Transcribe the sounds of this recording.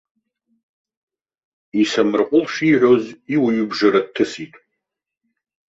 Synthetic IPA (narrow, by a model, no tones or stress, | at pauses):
isamɨrqʷʼʊlʂiʕʷo̞ziwɥʏbʐaɾad̚tʰɨsitʼ